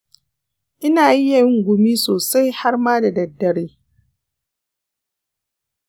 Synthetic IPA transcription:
ʔɪ˦naː˨ji˦ja˨jɪ˦ŋɡʷʊ˨miː˦soː˨sa˦jha˦rmaː˦da˨dɐ˨dːɐ˨ɽeː˦

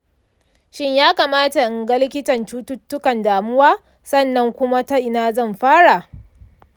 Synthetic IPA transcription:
ʃɪ˦ɲjaː˦kaː˨maː˦ta˨ʔɪ˨ŋɡɐ˦lɪ˦kʲɪ˦tɐ˨nt͡ʃuː˦tʊ˦tːʊ˦kɐ˨ndaː˨mʊ˦waː˦ | sɐ˦˨nːɐ˦ŋkʷʊ˦ma˦ta˦ʔɪ˨naː˨˦zɐ˦˨mɸaː˦ɽa˨

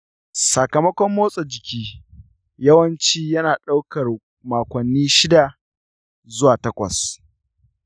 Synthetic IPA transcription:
sa˨kɐ˨mɐ˦kʷɔ˦mːoː˦sʼɐ˨d͡ʒɪ˨kʲʰiː˦ | jɐ˦wɐ˦nt͡ʃiː˦jɐ˦naː˨ɗa˦wkɐ˨r | maː˨kʷɐ˨nːiː˦ʃɪ˦da˨ | zʊ˦waː˨tɐ˦kʷɐ˨s

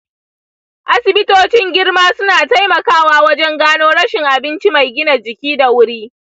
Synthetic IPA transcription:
ʔa˦sɪ˨bɪ˦toː˦t͡ʃɪ˦ŋɡʲɪ˦rmaː˦sʊ˦naː˨ta˦jmɐ˨kaː˦waː˦wɐ˦d͡ʒɛ˦ŋɡaː˦noː˦ɽɐ˦ʃɪ˨ŋʔa˨bɪ˦nt͡ʃi˦ma˨jɡʲɪ˦na˨d͡ʒɪ˨kʲiː˦da˨wʊ˦ɽiː˦

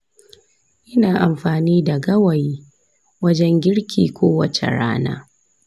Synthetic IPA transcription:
ʔɪ˦naː˨ʔa˨mɸaː˨niː˦da˨ɡɐ˦wa˨j | wɐ˦d͡ʒɛ˦ŋɡʲɪ˦ɽkʲʰiː˨kʷʰoː˦wɐ˨t͡ʃḛ˨ɽa̰ː˦na̰ː˦

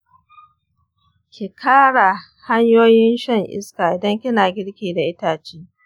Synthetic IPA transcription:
kʲi˨kʰaː˦ɽa˨ | ha˦ɲjoː˦jɪ˦nʃɐ˦˨ŋʔɪ̰˦skaː˨ʔɪ˨dɐ˦ŋkʲɪ˦naː˨ɡʲɪ˦ɽkʲiː˨da˨ʔɪ˦taː˨t͡ʃiː˦

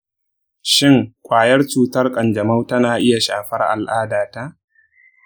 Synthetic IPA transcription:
ʃɪ˦ŋkʷʼaː˨jɐ˦rt͡ʃuː˨tɐ˦rkʼɐ˨nd͡ʒɐ˨ma˦wtɐ˦naː˨ʔɪ˦ja˨ʃa̰ː˨ɸɐ˦rʔa̰˨lʔaː˦daː˨ta˦ʔ

